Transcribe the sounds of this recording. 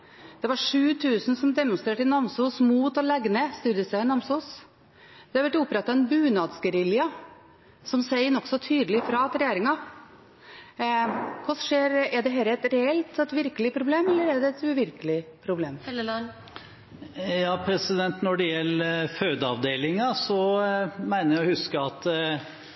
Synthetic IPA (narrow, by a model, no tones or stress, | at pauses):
d̪̥ɛʋɑʂʉːt̪ʰʉːsn̩sɔmd̪ɛmʊnst̪ɾeːʈɪnɑmsuːsmuːt̪ɔlɛɡnəst̪ʉːd̪əsæɪnɑmsuːs | d̪ɛhɑɾʋæʈːʊpːɾɛt̪ːɑɛnbʉːnɑːd̪sɡəɾɪljɑ | sɔmsæɪənɔksɔt̪ʰyːd̪əlɪfɾɑɑt̪ɾɛjeːɾɪŋɑ | kʰʊsʂeːɾɛɖ̪ɛɦɛlːəɛt̪ɾɛɛlt̪ɛt̪ʋɪɾkəlɪpʰɾʊbleːmɛlːəɾɛɖ̪ɛɛt̪ʉːʋɪɾkəlɪpʰɾʊbleːm | jɑːpʰɾɛsɪd̪ɛnt̪nɔɖɛjɛlːəføːd̪əɑʋd̪eːlɪŋɑsɔmæɪnəɾjɔhʉskəɑt̪